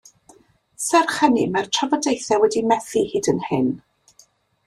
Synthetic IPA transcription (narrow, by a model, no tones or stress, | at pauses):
sɛrχɛnimartʰavɔdejθɛwɛdimɛθihɨːdənhɪn